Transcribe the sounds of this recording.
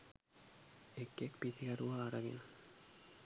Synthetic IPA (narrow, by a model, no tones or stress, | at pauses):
ekːekpit̪ʰiɡaɾuaːɾaɡḛna